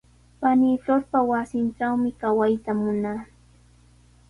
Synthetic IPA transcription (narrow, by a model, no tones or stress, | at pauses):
paniːt͡ɬoɾpawasɪnʈ͡ʂawmɪkawajt̪amʊnaː